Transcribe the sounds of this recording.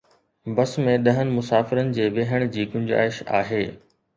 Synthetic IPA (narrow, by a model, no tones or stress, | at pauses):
bɐsmẽɗɐɦənɪ̆mʊsaːfɪɾənɪ̆d͡ʑeːʋeːɦəɽ̃d͡ʑiːɡʊ̃ɲd͡ʑa̰ːɪʃa̰ːɦeː